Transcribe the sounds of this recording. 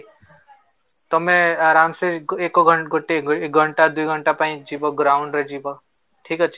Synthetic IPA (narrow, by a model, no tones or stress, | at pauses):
t̪əmẽaɾaːmseekoɡʱəɡʱoʈːeɡʱəɳʈad̪uiɡʱəɳʈapãĩd͡ʒiboɡɾaːʊɳɖɾed͡ʒibo | ʈʰiːkət͡ʃʰ